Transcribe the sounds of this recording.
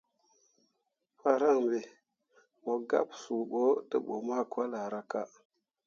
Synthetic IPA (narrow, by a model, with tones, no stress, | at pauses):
fa˦ɾa˦˨ŋbe˨ | mo˨ɡa̰˦psu˨ɓo˦tə̰˦ɓo˨ma˦˨kwa˦la˨ɾa˦ka˦